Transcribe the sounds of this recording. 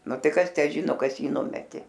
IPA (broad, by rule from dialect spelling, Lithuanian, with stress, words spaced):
ˈnʊ ˈtɐɪ ˈkɐs ˈtʲæː ˈʒʲɪnoː ˈkɐs ˈjiː ˈnʊmʲɛtʲeː